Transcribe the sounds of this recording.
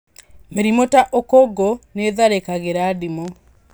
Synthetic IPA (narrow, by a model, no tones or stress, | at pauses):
meɾimotaʔokɔɡɔneðaɾekaɣeɾaːdimɔ